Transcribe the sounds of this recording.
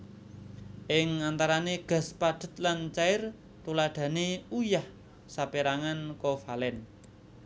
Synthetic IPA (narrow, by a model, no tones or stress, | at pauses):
ʔɪŋant̪aɾaneɡ̥a̤spad̥ə̤t̪̚lant͡ʃaɪr | t̪ulaɖ̪̥a̤neujah | sapeɾaŋankɔfalɛn